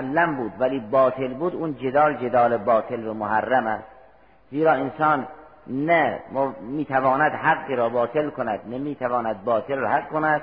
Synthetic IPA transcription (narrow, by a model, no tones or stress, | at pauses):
ʔalːæmbuːd̪væliːbɒːt̪ʰelbuːd̪uːnd͡ʒed̪ɒːld͡ʒed̪ɒːlebɒːt̪ʰelvæmohærːæmæst̪ | ziːɾɒːensɒːn | næmmiːt̪ʰævɒːnæd̪ɦaɡːiɾɒːbɒːt̪ʰelkʰonæd̪nemiːt̪ʰævɒːnæd̪̚bɒːt̪ʰelhaqkʰonæd̪̥̚